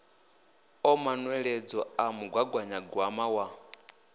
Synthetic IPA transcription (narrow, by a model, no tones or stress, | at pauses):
ɔmanwɛɺɛd͡zɔamuɡwaɡwaɲaɡwamawa